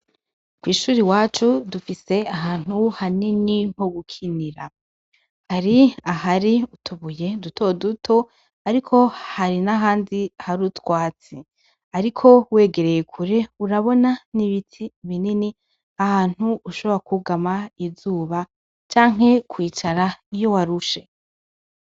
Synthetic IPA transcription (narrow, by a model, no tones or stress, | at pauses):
kwiːʃuːɾiwaːt͡ʃudufise̞aɦaːn̥huhaniniŋ̥oɡukʰiniɾa | haɾiaɦaɾiutuβuje̞duto̞dutʰo̞ | aɾikʰo̞haɾinaɦaːndiahaɾutwaːt͡si | aɾikʰo̞we̞ːɡe̞ɾe̞je̞kʰuɾe̞uɾaβo̞naniβitʰiβinini | ahaːn̥huːʃo̞βoɾakuɡamaizuːβa | t͡ʃaːŋ̥ɦe̞kwiːt͡ʃaɾaijo̞waɾuʃe̞